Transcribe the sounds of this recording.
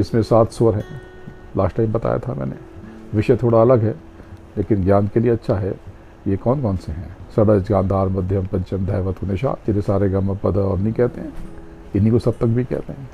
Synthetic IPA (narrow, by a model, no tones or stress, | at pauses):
ɪsmẽsaːt̪ʰsoɾɦɛ̰̃ː | la̰ːsʈaimbɐt̪a̰ːja̰t̪ʰamɛ̰ːnḛ | ʋɪʃət̪ʰoːɽaɐləɡɦɛ | leːkɪnɡjaːnkelieɐtːʃʰaɦɛ | jekɔːnkɔːnseɦɛ̃ːsɐd̪əd͡ʒɡãːnd̪ʱaːɾmɐd̪ʱjəmpɐ̃ɲt͡ʃəmd̪ʱɐːʋət̪ʊneːʃa̰ːd͡ʒɪnesaːɾeɡɐməpɐd̪ʱɔːɾnɐĩkɛɦt̪eɦɛ̃ | ɪnɦikosɐb̚t̪ɐk̚bʱikɛ̰ːɦt̪eɦɛ̃ː